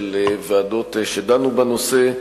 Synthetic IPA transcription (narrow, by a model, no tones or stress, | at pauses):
leveado̞tʃedanubanose̞